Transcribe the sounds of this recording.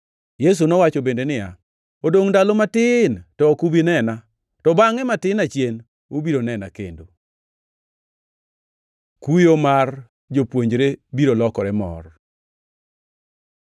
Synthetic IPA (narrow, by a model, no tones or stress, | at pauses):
jes̬unɔwat͡ʃɔbendenɪja̰ | odoŋdalomatɪntɔkubinɛna | tɔbaŋɛmatɪnat͡ʃjen | obiɾonɛna̰kḛndo | kujomar | d͡ʒopwoɲd͡ʒɾebiɾolɔkɔɾɛmɔ̰r